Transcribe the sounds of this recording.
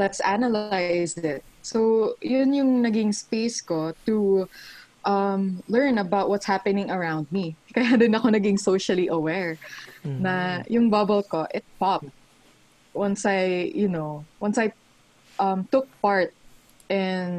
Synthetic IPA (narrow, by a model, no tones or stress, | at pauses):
lɛt̪sʔanɐlajzɪt̪̚sowjʊnjʊŋnɐɡɪŋspeɪskot̪u | ʔɐmlɛɹnɐbaʊt̪̚wɔt̪shapənɪ̃ŋɐɹãw̃nd̪̚mikɐjad̪ɪnɐkonɐɡɪŋsoʊʃɐliʔɐwɛɹnɐjʊŋbɐbɛlkoʔɪt̪̚pɑp̚t̪̚ | wɐ̃nsajjʊnowɐ̃nsɐj | ʔɐmt̪ʊk̚pɑɹt̪̚ | ʔɛ̃n